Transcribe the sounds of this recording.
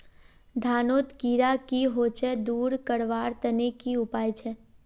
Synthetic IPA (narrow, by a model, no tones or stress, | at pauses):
d̪ʱaːnoːt̪kiːɾakiɦoːt͡ʃɛd̪uːɾkəɽʋaːɾt̪ənekiʊpaːjt͡ʃʰɛ